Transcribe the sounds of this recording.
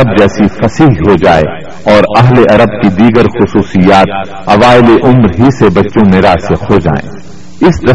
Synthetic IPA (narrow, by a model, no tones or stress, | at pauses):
əb̚d͡ʒɛːsifɐsiːɦɦod͡ʒaːḛ | ɔːɾɐɦleʔɐɾəb̚kid̪iːɡəɾxʊsuːsijaːt̪ | ɐʋaːɪleʔʊmɾɦisebɐtːʃõmeɾaːseqʰod͡ʒa̰ːḛ̃ː | ɪsd̪ɐ